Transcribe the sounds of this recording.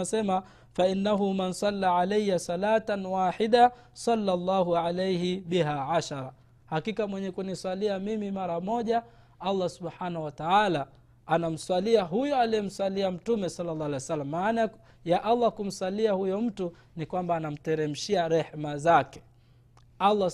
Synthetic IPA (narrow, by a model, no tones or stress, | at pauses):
sɛma | fainːaɦumansɑlːaːʕalejːasɑlaːtanwaːħida | sɑlːalˤːɑːɦuʕalejhiɓiɦaːʕaʃaɾa | hakikamwɛɲɛkuniswaliamimimaɾamɔʄa | alˤːasuɓħaːnahuwataala | anam̩swaliaɦujɔalijɛm̩swaliam̩tumɛsɑlːalːɑːalajwsalːammaːna | jaʔalˤːakum̩swaliahujɔm̩tu | nikwambaːnam̩tɛɾɛm̩ʃiaɾɛħmazakɛ̥ | alˤːa